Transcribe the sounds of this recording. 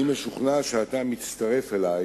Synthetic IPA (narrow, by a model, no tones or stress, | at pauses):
imeʃuχnaʃeat̪amitt͡st̪aʁe̞felaj